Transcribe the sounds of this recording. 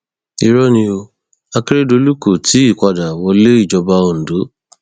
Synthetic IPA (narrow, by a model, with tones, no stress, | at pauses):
i˦˨ɾɔ˦nĩ˧o˧ | a˧ke˦ɾe˦do˧˦lu˦ko˨tʰi˨˦i˦˨kʷa˧da˨wɔ˧le˦i˦˨d͡ʒɔ˧ba˧o˨n̩˨do˨˦